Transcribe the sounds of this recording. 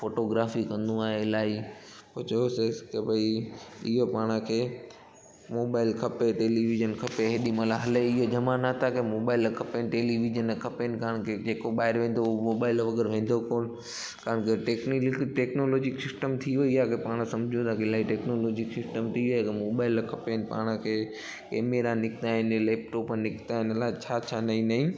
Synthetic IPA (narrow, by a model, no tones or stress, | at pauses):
foːʈoɡɾaːfikɐ̃nd̪ũaːɦeɪlaːi | poːt͡ɕɐjoseskebɐiɪɦopaːɽ̃kʰeː | moːbaːɪlkʰɐpeʈeːliʋid͡ʒənkʰɐpeɦeɗimalaɦɐleɪɦod͡ʒɐmanat̪ʰakemoːbaːɪlkʰɐpenɪʈeːliʋid͡ʒənkʰɐpenɪkaːɦəɽ̃kʰed͡ʑeːkoɓaːɦɪɾʋẽːn̆d̪oomoːbaːɪlʋɐɡəɾʋẽːnd̪ʱokoːn | kaɦəɽ̃kʰeʈeːknikʈeːknoːloːd͡ʑɪksɪsʈəmt̪ʰioɪjakepaːɽ̃sɐ̃md͡ʑʱũt̪ʰakeɪlaːiʈeːknoːloːd͡ʑɪksɪsʈəmt̪ʰioekemoːbaːɪlkʰɐpenɪ̆pa̰ːɽ̃əkʰeː | keːmeːɾanɪkt̪aːɦɪnleːp̚ʈoːpnɪkʰt̪aːɦɪnɐlaːt͡ɕʰaːt͡ɕʰaːnɐĩnɐɦĩː